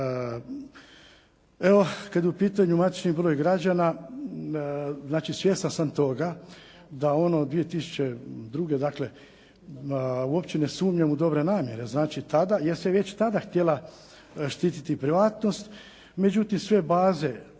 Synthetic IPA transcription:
e̞o̞kad̪upiːt̪aɲumat̪i̥t͡ʃnibɾo̞ːjɡɾad͡ʑana | znaːt͡ʃisʋjeːst̪ansamt̪o̞ɡa | d̪ao̞no̞d̪ʋije̞t̪isu̥t͡ɕed̪ɾuːɡe̞d̪akle̞ | uo̞pt͡ɕenesuːmɲamud̪o̞bɾe̞naːmje̞ɾe̞znaːt͡ʃit̪ad̪ajeseʋe̞t͡ɕt̪ad̪axt̪jela | ʃt̪iːt̪it̪ipɾiʋaːt̪no̞st̪ | med͡ʒut̪imsʋe̞baːze̞

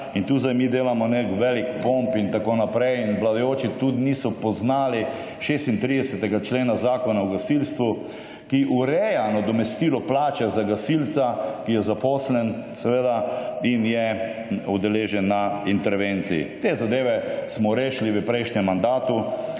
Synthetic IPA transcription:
int̪uːzajmiːd̪eːlamɔnekʋɛlikpompint̪akoːnapɾɛjinʋlad̪ɔjoːt͡ʃit̪ud̪inisɔpɔznaːli | ʃeːst̪int̪ɾid̪ɛsɛt̪ɛɡat͡ʃleːnazaːkɔnawɡasilst̪ʋu | kiʔuɾɛjanad̪ɔmɛst̪iːlɔplaːt͡ʃɛzaɡasilt̪sakijɛzapɔːslɛnsɛʋeːd̪ainjɛ | ud̪ɛleːʒɛnːaint̪ɛɾʋent̪siḭt̪eːzad̪eːʋɛsmɔɾeːʃliʋəpɾɛjʃɲɛmːand̪aːt̪u

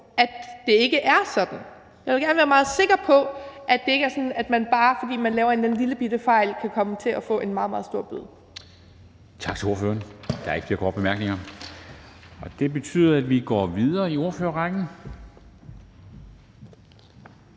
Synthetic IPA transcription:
ʔæd̥d̥e̝e̝ɡ̥əʔæɐsɒ̽d̥n̩ | jɑʋelɡæɐnəʋæːɐmɑ̈ːð̞̩ˠse̝ɡ̥ɐpʰɒ̽ʔæd̥e̝e̝ɡ̥əæɐsɒ̽n̩æd̥mænb̥ɑ̈ːfɒ̽d̥ḭːmænlɛːʊɐe̝nn̩liləb̥id̥əfɑ̈ɪlkʰækʰɒ̽mət͡sʰe̝ʔæfɔ̰̽ːʔe̝nmɑ̈ð̩ˠmɑ̈ðˠsd̥o̝ɐ̰b̥yðˠ | t͡sʰɑ̈ɡ̥ʰo̝ɐfø̰ːɐnd̥ɑ̈ɐeɡ̥fle̝ɐkʰɒ̰ːd̥b̥emæɐɡ̥ne̝ŋɐ | ɒ̽d̥e̝b̥e̝t͡sʰy̰ːð̰ˠɐæd̥ʋiɡ̥ɒ̰ːʋiðˠɐːio̝ɐfø̰ːɐʁɑɡ̥n̩

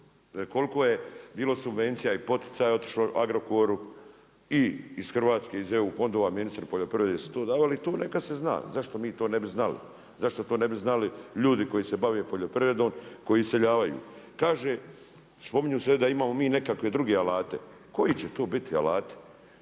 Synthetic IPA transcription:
ko̞likoːjebiːlo̞subʋe̞nt̪sijaipo̞t̪i̥t̪saːjo̞t̪i̥ʃloʔa̰ɡɾo̞koɾu | iːsxr̩ʋaːt̪ske̞izjeufo̞nd̪oʋaminist̪ɾpoʎo̞pɾiʋɾed̪esu̥t̪o̞ːd̪aːʋalit̪oːne̞kad̪sezna̰ːzaʃt̪o̞miːt̪o̞ːnebiznalḭ | zaʃt̪ot̪oːnebiznaliʎuːd̪iko̞jisebaʋeːpo̞ʎo̞pɾiʋɾed̪o̞ːmko̞jiseʎaːʋajṵːkaːʒeː | spo̞miɲuːsed̪aimaːmo̞miːne̞kakʋe̞d̪ɾuɡeːalaːt̪e | ko̞jit͡ɕet̪o̞ːbit̪ia̰laːt̪e̥

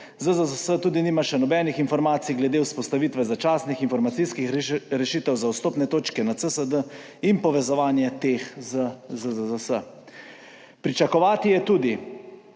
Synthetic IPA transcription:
zəzəzəsət̪uːd̪iniːmaʃɛnɔbɛːnixinfɔɾmaːt̪sijɡlɛd̪euspɔst̪aʋiːt̪ʋɛzat͡ʃaːsnixinfɔɾmat̪sijskixɾɛʃiːt̪ɛwzawst̪oːpnɛt̪oːt͡ʃkɛnat̪səsəd̪ə | impɔʋɛzɔʋaːnjɛt̪eːxzəzəzəzəsə̰ | pɾit͡ʃakɔʋaːt̪ijɛt̪uːd̪i

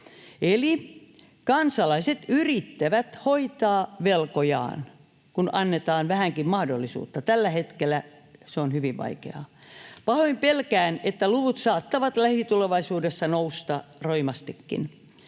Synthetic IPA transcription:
eli | kɑnsɑlɑiset̪yrit̪ːæʋæt̪hoit̪ɑːʋelkojɑ̰ːn | kunʔɑnːet̪ɑːnʋæhæŋkimmɑhdolːisṵːt̪ːɑt̪ælːæhet̪kelːˑæ | seonhyʋiʋʋɑ̰ikḛɑ̰pɑhoimpelkæːnet̪ːæluʋut̪sɑːt̪ːɑʋɑt̪læhit̪uleʋɑisuːdesːɑnoust̪ɑroimɑst̪ikːḭn

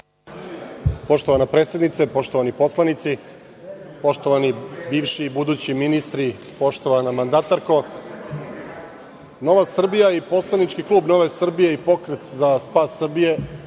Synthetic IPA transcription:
po̞ʃt̪oʋanapɾe̞ːt̪sje̞d̪nit̪sepo̞ʃt̪oʋanipo̞slˠanit̪si | po̞ʃt̪oʋanibiːʋʃiːbud̪uːt͡ɕiminist̪ɾi | po̞ʃt̪o̞ʋanamand̪at̪aɾko̞ | no̞ʋasr̩bijaipo̞slˠanit͡ʃkiklˠuːbno̞ʋesr̩bijeipo̞kɾet̪zaspaːsːr̩bije̞

